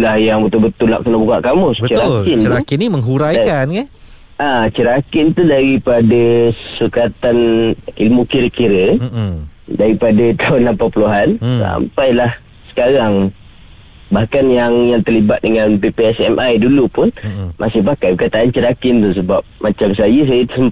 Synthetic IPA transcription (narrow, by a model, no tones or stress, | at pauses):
lahjaŋbət̪ʊlbət̪ʊlna̰ʔkənabukaʔkamʊst͡ʃəɾakɪnəɾakɪniməŋɦuɾajanka | ʔaːt͡ʃəɾakɪnt̪udaɾipadassukat̪anḭlmukiɾəkiɾə | daɾipadat̪aʊnlampapuluɦansa̰mpajlah | sə̥kaɾaŋ | bahkanjaŋjaŋt̪ərlibat̪̚dəŋanpepeɛsɛmʔajdulupʊnmʔasɪhpakajpəkat̪aːnt͡ʃəɾakɪnt̪us̬əbap̚mat͡ʃamsajəs̬ajət̪usəmp